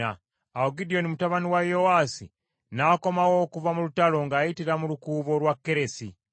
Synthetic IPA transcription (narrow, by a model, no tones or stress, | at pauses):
a | aoɡidijo̞nimutaβaniwajo̞wasḭ | nako̞mawo̞kuvamulutalo̞ŋɡaːjitiɾamulukuːβo̞ɾwakːe̞ɾe̞si